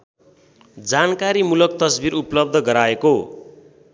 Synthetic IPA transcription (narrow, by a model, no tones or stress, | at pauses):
d͡zankaɾimulʌk̚t̪ʌsbiɾuplʌb̚d̪ʱʌɡʌɾaeko